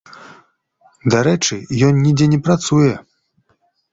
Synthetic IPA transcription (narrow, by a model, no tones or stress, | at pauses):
d̪aɾɛt͡ʂɨjɔnːʲid͡zʲɛnʲɛpɾat̪sujɛ